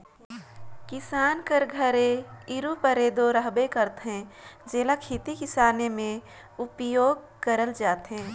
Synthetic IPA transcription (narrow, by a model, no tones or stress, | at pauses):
kɪsaːnkəɾɡʱəɾeɪɾupəɾeːd̪oɾəɦbekəɾt̪ɦɛ̃d͡ʒeːlakʰit̪ikɪsaːnemẽ | ʊpjoːɡ̚ | kəɾəld͡ʒaːt̪ɦɛ̃ː